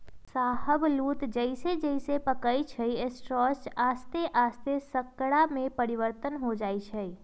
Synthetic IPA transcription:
saɦəblut̪d͡ʒəɪsed͡ʒəɪsepəkəjt͡ʃʰəiesʈɾɔsaːst̪eʔaːst̪esəkːɽamẽpəɾiʋəɾt̪ənɦod͡ʒaːjt͡ʃʰəi

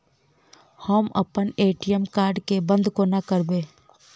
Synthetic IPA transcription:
həmə̰pəneːʈijəmkaːɾɖkebə̃nd̪konəkəɾbeː

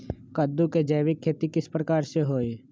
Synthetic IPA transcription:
kəd̪ːuked͡ʒəjʋɪkʰːeːt̪ikɪspɾəkaːɾseɦoːe

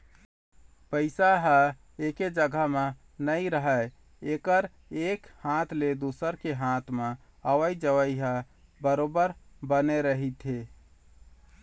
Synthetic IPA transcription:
pəɪsaɦə | eked͡ʒəɡʱəme | nəjɾəɦə | ekəɾ | ekhãt̪ʰled̪usəɾkeɦãt̪ʰme | əʋəjd͡ʒəʋəjɦə | bəɾobəɾbəneɾəɦit̪ɦe

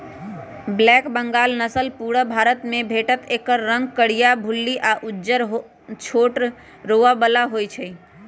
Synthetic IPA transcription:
blɛkbəŋɡalnəsəlpuɽəbʱaɾət̪mẽbʱeʈət̪ekəɾːə̃ŋɡ̚kəɽijabʱulːiʔaʔud͡ʒəɾɦ | t͡ʃʰoʈ | ɾoʋabəlaɦojt͡ʃʰəj

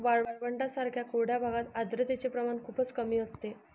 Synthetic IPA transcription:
ʋaɭaɭʋəɳɖasaɾkʰjakʰoɽ̤jabʱaɡat̪ad̪ɾət̪et͡ɕepɾəmankʰuːpət͡skəmiːəst̪e

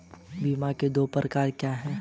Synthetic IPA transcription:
biːmãked̪oːpɾəkaːɾkjaːɦɛ̃ː

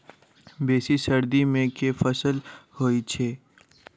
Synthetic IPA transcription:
beːsisɐɾd̪imẽkefɐsəlhoːit͡ʃʰeː

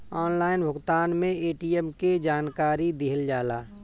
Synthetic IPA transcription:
ɔːnlaːɪnbʱʊɡt̪aːnmẽeːʈiɛmked͡ʒaːnkaːɾid̪ɪɦəld͡ʒaːlaː

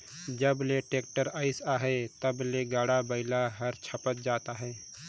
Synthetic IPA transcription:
d͡ʒəbleʈeːk̚ʈəɾaːɪsaːɦɛt̪əbleɡaːɽabəɪlaɦəɾt͡ʃʰəpət̪̚d͡ʒaːt̪aɦɛː

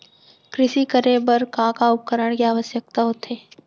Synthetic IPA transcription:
kɾɪʃikəɾebəɾkãkaʊp̚kəɾəɳ̃kiaːʋəsjək̚t̪aɦoːt̪eː

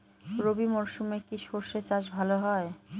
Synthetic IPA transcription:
ɾobimɔɾʃumekiʃoɾʃet͡ɕaʃbʱaloɦɔe

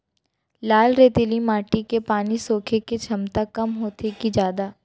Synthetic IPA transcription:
laːlɾeːt̪ɪlimaːʈikepaːnisoːkʰeket͡ʃʰɐmt̪akɐmɦoːt̪ekid͡ʒjaːd̪aː

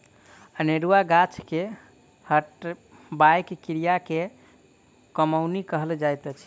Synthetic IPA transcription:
əneɾuaɡat͡ʃʰke | həʈ | bajkkiɾijake | kəmawnikəɦəld͡ʒajt̪ət͡ʃʰi

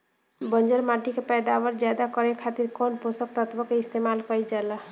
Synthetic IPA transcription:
bʌnd͡ʒʌɾmaʈikepɛd̪awʌɾd͡ʒjad̪akʌɾekʰat̪iɾkonposʌk̚t̪ʌt̪ʰbʌkeist̪emalkʌjd͡ʒala

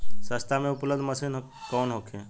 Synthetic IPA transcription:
səst̪ʰamẽʊpləbd̪ʱməsinɦ | kɔːnɦokʰẽː

